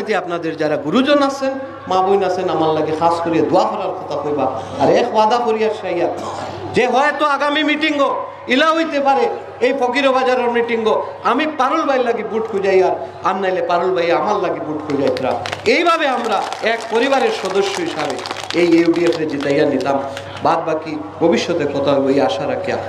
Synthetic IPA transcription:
t̪eapnad̪eɾd͡ʑaɾaɡuɾud͡ʑonasʰen | mabojnasʰenamaɾlaɡixʰaskoɾijed̪uaɦɔɾaɾkʰɔt̪aɦojbaaɾɛkwad̪akoɾijaɾʃajat̪ | d͡ʑeɦɔet̪oaɡamimiʈiŋɡo | ilaɦojt̪epaɾe | ejpɔkiɾobad͡ʑaɾeɾmiʈiŋɡoamipaɾulbʱajlaɡibuʈkʰud͡ʑajaɾ | anːajlepaɾulbʱajeamallaɡibuʈ̚kʰujd͡ʑajt̪ʰiɾa̰ejbʱabeamɾaɛkpoɾibaɾeɾʃɔd̪oʃːoɦiʃabeejeuɖiefʰɾed͡ʑit̪ajanːit̪am | baɾbaki | bʱobiʃːɔt̪ekɔt̪ʰaɦojbojaʃaɾakʰija̰

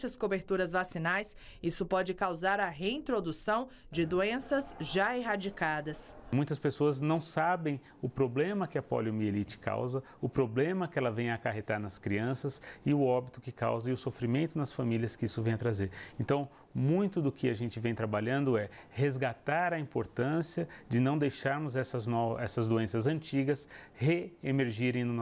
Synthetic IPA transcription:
ʃɐskobeɾt̪uɾɐzvasinajs | isʊpɔd͡ʒɪkawzaɾɐɦeĩnt̪ɾod̪usɐ̃w̃ | d͡ʒɪd̪uẽsɐzʒaeɦad͡ʒikad̪ɐsmũj̃t̪ɐspesoɐznɐ̃w̃sabẽj̃ | ʊpɾoblẽmɐkɪɐpɔ̰ljomielit͡ʃɪ̥kʰa̰wzɐ | ʊpɾoblẽmɐkɪɛlɐvẽj̃aːkaɦet̪aɾnɐskɾiɐ̃sɐsɪʊɔbit̪ʊkɪka̰wzɐɪʊsofɾimẽnt̪ʊnɐsfamilʲjɐskɪisʊvẽj̃ɐt̪ɾazeɾẽnt̪ɐ̃w̃ | mũj̃t̪ʊd̪ʊkɪaʒẽnt͡ʃɪvẽj̃t̪ɾabaʎɐ̃nd̪ʊɛ | hezɡat̪aɾɐĩmpoɾt̪ɐ̃siɐd͡ʒɪnɐ̃w̃d̪ejʃaɾmʊzɛsɐznɔɛsɐzd̪oẽsɐzɐ̃nt͡ʃiɡɐsheemeɾʒiɾẽj̃nʊn

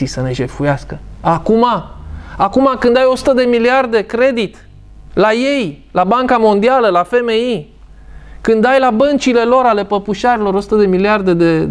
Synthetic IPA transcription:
isəne̞ʒe̞fujaskəakumaakumakɨnd̪ajo̞su̥t̪əd̪e̞miliard̪e̞kɾe̞d̪it̪ | laje̞jlabaŋkamo̞nd̪ialəlafe̞me̞i | kɨnd̪ajlabənt͡ʃile̞lo̞ɾale̞pəpuʃaɾilo̞ɾo̞su̥t̪əd̪e̞miliard̪e̞d̪e

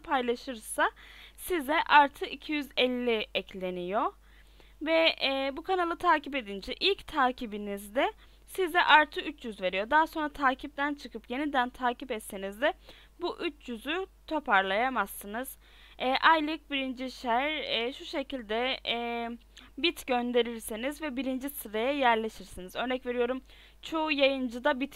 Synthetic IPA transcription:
pʰajlˠaʃɯɾsa | sizɛʔaɾt̪ʰɯicʰijyzɛlʲːiɛclʲe̞nijo̞ | vɛbukʰanalˠɯt̪ʰaːcipe̞d̪ind͡ʒɛʔilʲct̪ʰaːcʰibinizd̪ɛ | sizɛʔaɾt̪ʰɯyt͡ʃʰjyzve̞ɾijo̞d̪aːso̞nɾat̪ʰaːcʰip̚t̪ʰænt͡ʃʰɯkʰɯpje̞nid̪ænt̪ʰaːcipɛt̪senizd̪ɛ | buʔyt͡ʃʰjyzyt̪ʰo̞pʰaɾlˠajamasːɯnɯz̥ | ɛːʔajlʲˠɯk̚biɾind͡ʒiʃæɾɛːʃuʃe̞cilʲd̪ɛː | bit̪ɟønd̪e̞ɾiɾsinizvɛbiɾind͡ʒisɯɾajajæɾlʲe̞ʃiɾsinizø̞ɾnɛcve̞ɾijo̞ɾum | t͡ʃʰo̞ujajɯnd͡ʒɯd̪abit̪

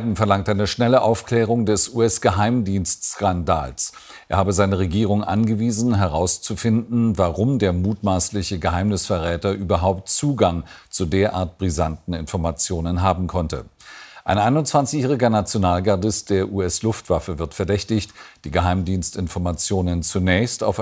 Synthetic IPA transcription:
dm̩fɛɐlaŋktʔaɪnəʃnɛləʔaʊfkl̥ɛːʁ̞ʊŋdɛsʔuːɛsɡ̥əɦaɪmdiːnstkanda̰ːls | ʔʔeːɐhaːbəzaɪnəʁ̞eɡiːʁ̞ʊŋʔa̰nɡəviːzn̩ɦɛʁaʊst͡sufɪndn̩vaʁʊmdeːɐmuːtmaːslɪçəɡəɦaɪmnɪsfɛɐʁɛːtɐʔyːbɐɦaʊptt͡suːɡaŋt͡sudeːɐʔa̰ːɐt̚b̥ʁizantn̩ɪnfɔɐmat͡sjoːnənɦaːbm̩kʰɔntə̰ʔa̰ɪnʔaɪnʊntt͡sv̥ant͡sɪçjɛːʁ̞ɪɡɐnat͡sjonaːlɡaɐdɪst̚d̥eːɐʔuːɛslʊftv̥afəvɪɐtfɛɐdɛçtɪçtd̥iːɡəɦaɪmdiːnstɪnfɔɐmat͡sjoːnənt͡sunɛːçsta̰ʊf

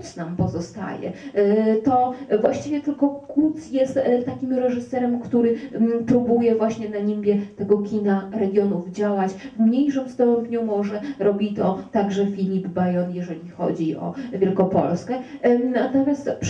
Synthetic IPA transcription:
t̪snampɔzɔst̪a̰jɛ̰t̪ɔvwaɕt͡ɕivʲjɛt̪ɘlkɔkut̪sjɛst̪t̪ːakʲimɾɛʐɘsɛɾɛmkt̪uɾɘpɾubujɛvwaɕɲɛnaɲimbʲjɛt̪ɛɡɔkʲinaɾɛɡʲjɔnuvd͡ʑawat͡ɕvmɲejʂɨmst̪ɔbɲumɔʐɛɾɔbʲit̪ɔt̪aɡʐɛfʲilʲibbajɔnjɛʐɛlʲixɔ̰d͡ʑiʔɔ̰vʲjɛlkɔpɔ̰lskɛnat̪ɔmʲjast̪p

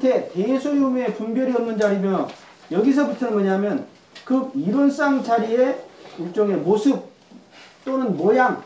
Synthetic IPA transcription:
tʰe̞tesʰojume̞pumbjʌɾiʌmnɯnd͡ʑaɾimjʌ | jʌɡis̬ʰʌbutʰʌnnmʌɲamjʌn | kɯk̚iɾʌns͈aŋt͡ɕaɾieuɭt͡ɕ͈ʌŋe̞mosʰɯp̚ | t͈onɯnmʌjaŋ

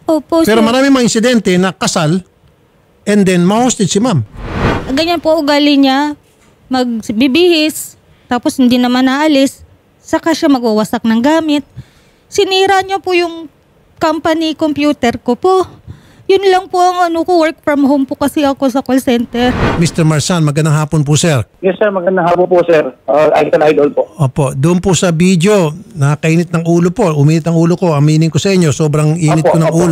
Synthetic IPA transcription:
ʔoːpoʔpɛɾomɐɾaːmɪŋmɐŋɪnsɪd̪ɛnt̪ɛnɐkɐsal | ʔɛnd̪ɛnmɐhust̪ɛd̪simamɐɡɐɲanpoʔʊɡaːlɪɲa | mɐɡ̚bɪbɪhɪs | t̪aːpo̞shɪnd̪inɐmanaʔɐlɪsː | ɐkaʃamɐɡ̚ɐwɐsak̚nɐŋɡaːmɪt̪̚ | sɪniːɾaɲopojʊŋ | kampɐnikompjuːt̪ɛɾkopoʔ | jʊnlɐŋpoʔɐŋɐnokowɛɹk̚fɾɐmhowmpokɐsɪʔɐkosɐkolsɛnt̪ɛɾmist̪ɛɹmɐɹsanmɐɡɐnd̪aŋɦaːponp̬ʊsɛɹjɛsɛɾmɐɡɐnd̪ɐŋhaːponposɛɾaʔa̰jskɐlajd̪ol̚poʔʔoːpo̞d̪ʊʔʊnpʊsɐbid̪ɪo̞nɐakɐʔiːnɪt̪̚nɐŋuːlopo̞ʊmiːnɪt̪ɐŋuːloko̞ɐmiːnɪŋkosɐʔɪɲo̞soːbɾɐŋʔiːnɪt̪kːonɐŋʔuːlo

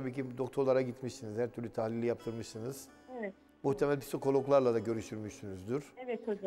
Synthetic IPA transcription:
t̪ʰabiːcid̪o̞kt̪ʰoɾlˠaɾaɟit̪miʃsinizhæɾt̪ʰyɾlʲyt̪ʰahlʲilʲːijap̚t̪ʰɯɾmɯʃsɯnɯz̥ | ɛ | muht̪ʰe̞mælʲpʰi̥sikʰo̞lˠoklˠaɾlˠad̪aɟø̞ɾyʃt̪yɾmyʃsynyzd̪yɾ̥ɛvɛt̪

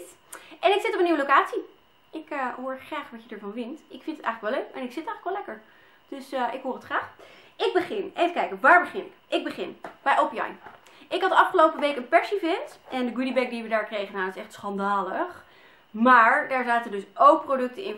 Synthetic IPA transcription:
ʔɛnɪksɪtɔpəniʋəlowkaːtsi | ʔɪkəɦʊːɹχraːχʋɑcədəɹvɑnʋɪntɪkfɪntətɛ̰jxχləkʋɛløɥkɛ̰nɪksɪtɛjxələkʋɛlɛkəɹ | d̥øsʔɪkɦʊːrətχraːχʔɪɡ̚bəχɪnejvəkɛjkəʋaːɹbəχɪnʔɪɡ̚bəχɪnb̥ɛjʔopijɑ̰jn | ʔɪkɦɑtdəɑfχəlowpəʋejkənpɛɹsivɪntʔɛndəɡudibɛk̚diʋədaːɹkrejχənaːɪsɛχtsχɑndaːləχ | maːɹdaːɹzaːtədɵsowk̚prowdɵk̚tənɪn

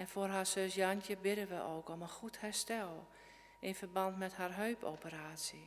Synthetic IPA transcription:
ɛnfoːrɦaːsøsjɑntjəbɪdənʋəʔoːkomənxuthɛɹstɛlˠ | ʔɪnfərbɑntmɛtharɦøːpʰo̰wpəɾaːsjə

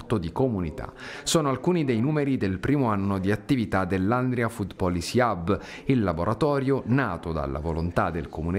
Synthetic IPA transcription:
t̪od̪ikomunit̪a̰soːnoalkuːnid̪ejnuːmeɾid̪elpɾiːmoanːod̪iat̪ːivit̪ad̪elːand̪ɾjafut̪pɔlisiab | ilːaboɾʔat̪ɔːɾjonaːt̪od̪a̰lːa̰volont̪ad̪elkomune

